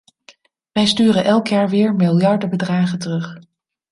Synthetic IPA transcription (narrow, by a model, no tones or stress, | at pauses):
ʋɛjstyːrənʔɛlˠkjaːɹʋɪːɹmɪlˠjɑɹdəbədraːχəntərɵχ